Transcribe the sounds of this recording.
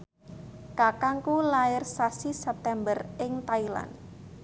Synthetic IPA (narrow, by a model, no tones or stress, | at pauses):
kakaŋkulaɪrsasisɛp̚t̪ɛmbərɪŋt̪aila̰n